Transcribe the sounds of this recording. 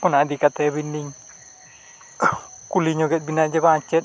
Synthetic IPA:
kɔnad̪ikat̪ɛβinːiŋ | kuliɲɔɡɛt̪̚binad͡ʒɛβaɲt͡ʃɛt̪̚

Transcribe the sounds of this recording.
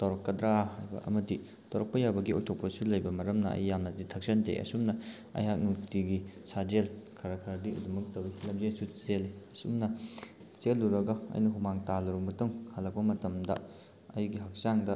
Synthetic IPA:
tɐwɾɐkːɐdɾahajbɐ̰ʔɐ̰mɐdi | tʰɐwɾɐk̚pɐjawbɐɡiojtʰok̚pɐsulɐjbɐmɐɾɐmnɐɐ̰jːamnɐditʰɐk̚sɐntʰḛʔɐ̰sumnɐ | ɐ̰jɦak̚nuktiɡisad͡ʒelkʰaɾakʰaɾdiɐdumɐk̚tɐwilɐmzesut͡ʃeliɐsumnɐ | t͡ʃelːuɾɐɡɐɐ̰jnɐɦumaŋtalɐɾumbɐtuŋhɐlːɐk̚pɐmɐtɐmdɐ̰ | ɐjɡiɦɐk̚saŋdɐ

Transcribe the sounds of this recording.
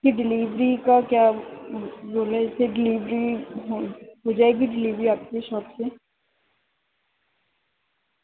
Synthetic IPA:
kiɖɪliːʋɾikakjaː | boːlesʰeɖɪliːʋɾiɦoɦoːd͡ʒaːeɡiɖɪliːʋɾiaːp̚keʃɔːbse

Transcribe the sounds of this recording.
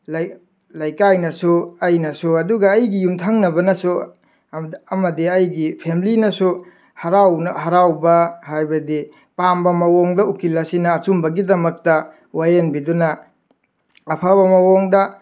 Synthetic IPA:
l | lɐjkajnɐsuɐjnɐsuɐduɡɐːjɡijumtʰaŋnɐbɐnɐsu | ɐmɐdiɐjɡipʰemilinɐsu | hɐɾawnhɐɾawbɐhajbɐdi | pambɐmɐwoŋdɐukilːɐsinɐːt͡ʃumbɐɡidɐmɐk̚tɐ | wajenbidunɐ | pʰaβɐmɐwoŋdɐ

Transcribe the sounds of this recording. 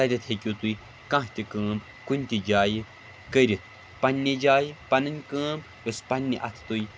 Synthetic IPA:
ɐɾʲɐt̪ʰekʲuːt̪ui | kɐ̃ɦt̪ʲikəːmb | kunʲt̪ʲid͡ʒaːji | kəɾʲit̪ʰ | pɐnʲːed͡ʒaːjipɐnɐnʲkəːmb | ʋɨspɐnʲːiʔɐ̰t̪ʰt̪uj

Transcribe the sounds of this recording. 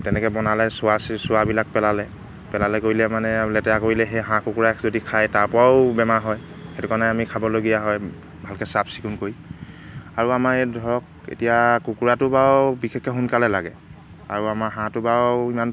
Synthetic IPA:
tɛnɛkɛbɔnalɛsʊassʊwabilak̚pɛlalɛ | pɛlalɛkoɹilɛmanɛlɛtɛakoɹilɛɦeɦãkukuɹazodikʰajtaɹpɹaʊbɛmaɦɔj | xetukanɛamikʰabɔloɡijaɦɔj | bʱalkɛsapʰsi̥kunkoɹi | aɹuamaɹedʱɔɹɔk̚ | ḛtijakukuɹatʊbawbikʰɛkʰːɛɦunkalɛlaɡɛ | a̰ɹuamaɦãtʊbawiman

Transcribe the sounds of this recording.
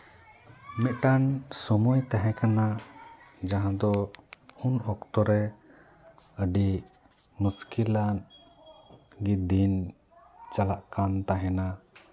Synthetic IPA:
mɛʔ̪̚ʈansɔmɔjt̪aɦɛ̃kana | d͡ʒaɦãd̪ɔunɔkt̪ɔɾɛ | əɖi | məskilan | ɡid̪in | t͡ʃalaʔkant̪aɦɛna

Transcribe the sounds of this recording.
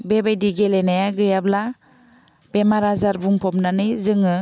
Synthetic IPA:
bebajdiɡelenajaɡɯjabla | b̥emaɾazaɾbuŋpʰɔpnanɯjzɯŋɯ

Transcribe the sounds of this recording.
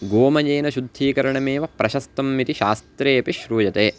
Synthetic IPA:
ɡoːmɐd͡ʒeːnɐʃud̪ʱːiːkɐɾɐɳɐmeːʋɐpɾʔɐʃɐst̪ɐmːit̪iʃaːst̪ɾeːɐpiʃɾuːjɐt̪eː

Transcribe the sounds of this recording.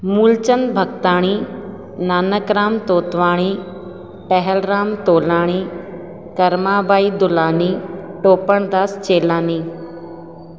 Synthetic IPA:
muːlt͡ʃənbʱɐɡt̪aːɽ̃iː | naːnəkɾaːmt̪oːt̪ʋaːɽ̃iː | ʈɛɦɛlɾaːmt̪oːlaːɽ̃iː | kɐɾmaːbaːid̪ʊlaːniːʈoːpəɳ̃d̪aːst͡ɕeːlaːniː

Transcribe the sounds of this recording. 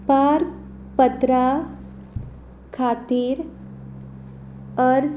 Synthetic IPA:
paɾk | pət̪ɾa | kʰat̪iːɾ | əɾd͡z

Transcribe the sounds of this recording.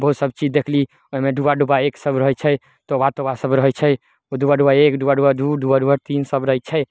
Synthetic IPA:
bəɦut̪səbt͡ʃid͡ʒd̪ekʰli | oɦimeɖubaɖubaeksəbɾəɦət͡ʃʰɛ | t̪obat̪obasəbɾəɦɛt͡ʃʰɛ | od̪ubaɖubajekɖubaɖubad̪uɖubaɖubat̪insəbɾəɦət͡ʃʰɛj

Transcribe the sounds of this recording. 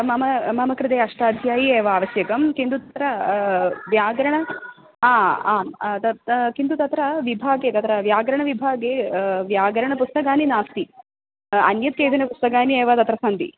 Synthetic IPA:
mɐmɐmɐmɐkɾɪt̪eːɐʂʈaːd̪ʱjaːjieːʋɐaːʋɐsjɐkɐmkind̪ut̪ɐt̪ɾɐ | ʋjaːɡɾɐɳɐ | aːaːt̪ɐtkind̪ut̪ɐt̪ɾɐʋibʱaːɡeːt̪ɐt̪ɾɐʋjaːɡɾɐɳɐʋibʱaːɡeːʋjaːɡɐɾɐɳɐpust̪ɐkaːninaːst̪i | ɐ̰njɐt̪̚keːd͡ʒ̪ɐnɐpust̪ɐkaːnieːʋɐt̪ɐt̪ɾɐsɐnd̪ḭ

